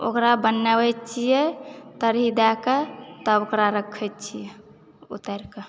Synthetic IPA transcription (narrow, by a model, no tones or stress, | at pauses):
o̰kɾabənːabɛtt͡ʃʰijet̪əɾɦid̪ɛket̪əokɾaɾəkʰɛtt͡ʃʰijɛ | ṵt̪əɾke